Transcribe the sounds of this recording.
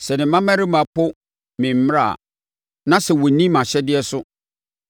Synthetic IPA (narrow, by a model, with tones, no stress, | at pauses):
sɛ˨nɪ̃˨mã˦mæ̃˦ɾɪ˦mã˨pʰʊ˦ | mĩ˨m̩˦m˦ɾa̰˦˨ | nã˦sɛ˨wɔ˨˦nĩ˦mã˨ɕɛ˦dɪ˦ɛ˦sʊ˦